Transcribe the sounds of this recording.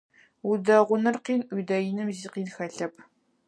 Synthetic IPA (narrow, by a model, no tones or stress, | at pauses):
udɐʁʷʊnɐrqiːnʔʷuːdɐjɪnɨmziːqiːnxɐɬɐp̚ʰ